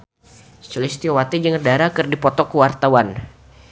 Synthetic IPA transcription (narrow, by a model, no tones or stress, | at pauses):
st͡ʃulist̪iowat̪id͡ʒəŋərdaɾakɨrdipɔt̪ɔkəwart̪awan